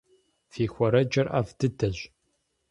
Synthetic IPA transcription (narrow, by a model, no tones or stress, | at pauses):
fiːxʷɐɾɐd͡ʒɐrʔa̰ːvdɨdɐʑ